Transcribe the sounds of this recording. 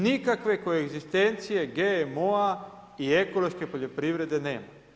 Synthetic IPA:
nikakʋe̞ko̞eɡzist̪e̞nt̪sije̞ɡeemoa | ieko̞lˠo̞ʃke̞po̞ʎo̞pɾiʋɾe̞d̪e̞ne̞̰ːma

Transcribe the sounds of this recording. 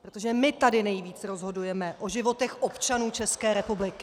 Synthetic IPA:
pɾot̪oʒɛmɪt̪adɪnɛjviːt͡sɾo̞zɦo̞dujɛmɛʔo̞ʒɪvo̞t̪ɛxʔo̞pt͡ʃanuːt͡ʃɛskɛːɾɛpublɪkɪ̥

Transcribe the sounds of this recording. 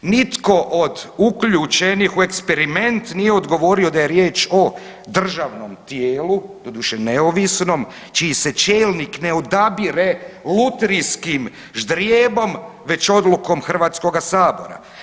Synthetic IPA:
nit̪ko̞ʔod̪ukʎut͡ʃenixue̞kspeɾime̞nt̪nijeo̞d̪ɡo̞ʋo̞ɾio̞d̪aje̞ɾje̞ːt͡ʃo̞ | d̪r̩ʒaʋno̞mt̪jeːlud̪o̞d̪uʃeneoʋisno̞m | t͡ʃiise̞t͡ʃe̞ːlnikne̞od̪abiɾelut̪eɾiskim | ʒd̪ɾjeːbo̞mʋe̞t͡ɕo̞d̪luko̞mxr̩ʋaːt̪sko̞ɡasaːbo̞̰ɾa̰

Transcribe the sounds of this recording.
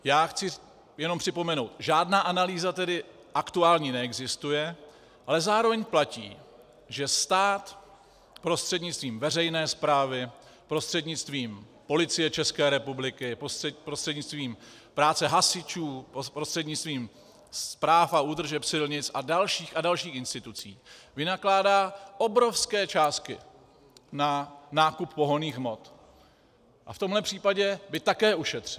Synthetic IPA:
jaːxt͡sɪ | jɛnompr̥ɪpo̞mɛno̞wt̪ʒaːdnaːʔanaliːzat̪ɛdɪ | ʔakt̪uaːlɲiːnɛɛɡzɪst̪ujɛ | ʔalɛzaːɾo̞vɛɲplacḭː | ʒɛst̪aːt̪ | pɾo̞st̪r̥ɛdɲɪt͡st̪viːmvɛrɛjnɛːspɾaːvɪ | pɾo̞st̪r̥ɛdɲɪt͡st̪viːm | po̞lɪt͡sɪjɛt͡ʃɛskɛːɾɛpublɪkɪppɾost̪r̥ɛdɲɪt͡st̪viːm | pɾaːt͡sɛɦasɪt͡ʃuːɾost̪r̥ɛdɲɪt͡sst̪viːm | spɾaːfauːd̪r̩ʒɛpsɪlɲɪt͡sadalʃiːxadalʃiːxʔɪnst̪ɪt̪ut͡siːvɪnaklaːdaːʔo̞bɾo̞fskɛːt͡ʃaːst̪̚kɪ | nanaːkuppo̞ɦoniːxmo̞t̪ | ʔaft̪o̞mɦlɛpr̝̥iːpaɟɛbɪt̪akɛːʔuʃɛt̪r̝̥ɪ

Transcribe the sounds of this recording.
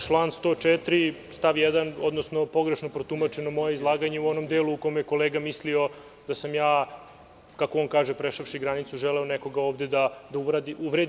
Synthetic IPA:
t͡ʃlˠaːnst̪o̞t͡ʂɛt̪ɾist̪aʋjɛd̪ano̞d̪no̞sno̞po̞ɡɾeʃnopɾot̪umat͡ʃenomo̞jeizlˠaːɡaɲeuo̞no̞md̪eːluuko̞jmjeko̞leːɡamislio̞ | d̪̥asamjaː | kakoonkaːʒepɾeʃafʃiɡɾanit̪suʒɛleoneko̞ɡaoːʋd̪ed̪ad̪auʋɾad̪iuʋɾed̪

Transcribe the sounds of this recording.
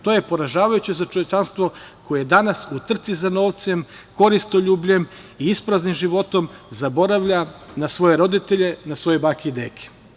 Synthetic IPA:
t̪ojepo̞ɾaʒaːʋajut͡ɕezat͡ʃoʋe̞t͡ʃanst̪ʋo̞ko̞jed̪anasut̪r̩t̪sizano̞ːʋt̪sem | ko̞ɾist̪oʎuːbʎem | iispɾaznimʒiʋo̞t̪o̞mzabo̞ɾaʋʎanasʋo̞je̞ɾo̞d̪it̪eʎe̞nasʋo̞jebakiid̪ekʰe̥

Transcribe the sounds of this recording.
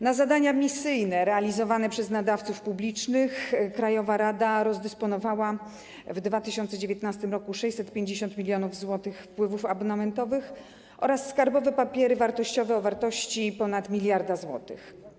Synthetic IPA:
nazad̪aɲamʲisɘjnɛɾɛalʲizɔvanɛpʂɛznad̪aft̪sufpublʲit͡ʂnɘxkɾajɔvaɾad̪aɾɔzd̪ɛspɔnɔvawa | vd̪vat̪ɘɕɔnt̪sɛd͡ʑevʲjeɛt̪nast̪ɘmɾɔkuʂɛjʲsɛt̪̚pʲjeɲd͡ʑeɕ̬ɔnt̪mʲilʲjɔnuvzwɔt̪ɘxfpwɘvufabɔnamɛnt̪ɔvɘx | ʔɔ̰ɾasːkaɾbɔvɛpapʲjɛɾɘvaɾt̪ɔɕt͡ɕɔvɛɔvaɾt̪ɔɕt͡ɕipɔnat̪mʲilʲjaɾd̪azwɔt̪ɘ̰x

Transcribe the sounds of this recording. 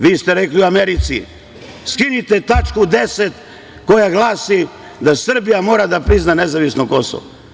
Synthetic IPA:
ʋiːst̪eɾeklioameɾit̪sḭ | skinit̪et̪at͡ʃkud̪eset̪ | ko̞jaɡlˠaːsi | d̪asr̩bijamo̞ːɾad̪apɾiznanezaʋisnoko̞so̰ʋo

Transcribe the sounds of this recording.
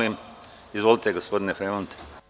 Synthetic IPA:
im | izʋolˠit̪eɡospod̪inefɾemont̪e̥

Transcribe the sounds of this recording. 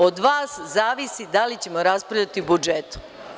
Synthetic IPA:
od̪ʋaːszaːʋisid̪alit͡ɕe̞mo̞ɾaspɾaʋʎat̪ibud͡ʒet̪u̥

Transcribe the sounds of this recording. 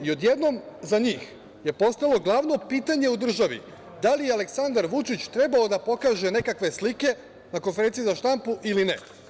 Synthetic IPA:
io̞d̪je̞d̪no̞mzaɲiːx | je̞po̞st̪ajlˠo̞ɡlˠaʋno̞piːt̪aɲe̞ud̪r̩ʒaʋḭ | d̪alijealeksand̪aɾʋut͡ʃit͡ɕt̪ɾe̞bao̞d̪apo̞kaːʒe̞ne̞kakʋe̞slike̞ | nako̞nfeɾent̪sijizaʃt̪ampuʔiline

